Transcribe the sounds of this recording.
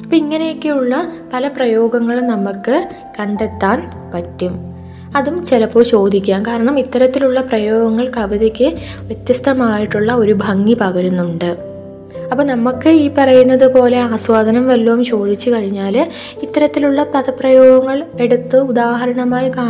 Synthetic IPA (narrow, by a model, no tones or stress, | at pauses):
pːoiŋːɐnejokːejuɭːɐpɐlɐprɐjo̞ːɡɐŋːɐɭnɐmːɐkːɨ | kɐɳɖe̞t̪ːaːn | pɐtːum | ɐðumt͡ɕelɐpːo̞ːt͡ɕo̞ːd̪ʱikʲːaːnkaːɾɐɳɐmit̪ːɐɾɐt̪ːiluɭːɐprɐjo̞ːɡɐŋːɐɭkɐʋɐðɐkʲːɨʋje̞t̪jɐst̪ɐmaːjiʈːuɭːɐo̞ɾubʱɐŋːipɐɣɐɾunːuɳɖɨ | ɐpːoːnɐmukːɨiːpɐrɐjunːɐðɨpo̞ːle̞aːswaːd̪ʱɐnɐmʋɐlːɐumt͡ɕo̞ːd̪ʱit͡ɕːukɐɻiɲːaːl | it̪ːɐɾɐt̪ːiluɭːɐpɐðɐpːrɐjo̞ːɡɐŋːɐɭe̞ɽut̪ːɨud̪aːɦɐɾɐɳɐmaːjikaː